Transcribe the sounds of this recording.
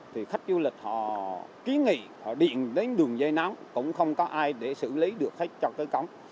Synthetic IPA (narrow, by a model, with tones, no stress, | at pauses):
t̪ʰi˨˩xa˦˥jk̟̚zu˧lï˨˩k̟̚hɔ̰˧˨ki˨˦ənŋḭ˧˨ | hɔ̰˧˨ɗḭ˧˨ənɗe˨˦nɗɨ˨˩əŋzə˧jna˨˦mkʊ̰˧˥ŋ͡mxə˧wŋ͡mkɔ˨˦ʔaː˧jɗe˧˩sɨ̰˧˨li˨˦ɗɨ˨˩ək̚xa˦˥jk̟̚t͡ɕɔ˧kaː˨˦jkə˨˦wŋ͡m